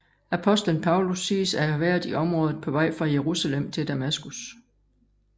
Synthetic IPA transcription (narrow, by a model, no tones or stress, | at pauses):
æpʰɒ̽sd̥lənpʰɑ̈ʊlusiːsæɐʋæɐ̰ðˠiʔɒ̽mʁɔ̽ːðˠð̩ˠpʰɒ̽ʋɑ̈ɪ̰fʁɑ̈jeʁusælem̰t͡sʰe̝ld̥æmæsɡ̥us